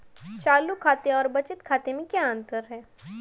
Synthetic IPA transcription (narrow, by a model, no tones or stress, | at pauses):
t͡ʃaːlukʰaːt̪ẽɔːɾbɐt͡ʃɪt̪kʰaːt̪emẽkjaə̃nt̪əɾɦɛː